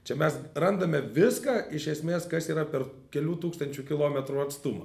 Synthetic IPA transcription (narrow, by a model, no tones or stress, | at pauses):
t͡ʃʲɛmʲɛsrɐnd̪ɐmʲɛʋʲɪskɑːɪʃʲɛsʲmʲeːskɐsiːɾɐpʲɛr | kʲɛlʲuːt̪uːkst̪ɐnʲt͡ʃʲukʲɪlˠoːmʲɛt̪ɾuːɐt̪st̪ʊmɐ